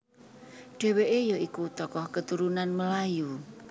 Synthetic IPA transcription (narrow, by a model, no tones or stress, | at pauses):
ɖ̥ɛ̤weʔejoikut̪ɔkɔhkət̪uɾunanməlaju